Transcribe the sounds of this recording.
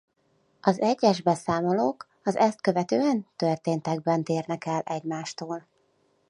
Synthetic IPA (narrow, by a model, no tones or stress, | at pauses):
ɒzɛɟːɛʒbɛsaːmoloːk | ɒzɛst̪̚kø̞vɛt̪øːɛnt̪ørt̪eːnt̪ɛɡ̚bɛnt̪eːrnɛkɛlʔɛɟmaːʃt̪oːl